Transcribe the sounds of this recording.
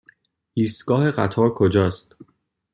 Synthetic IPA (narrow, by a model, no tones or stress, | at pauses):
ʔiːst̪ɡɒːhe̞ɢæt̪ʰɒːɾkʰod͡ʒɒːst̪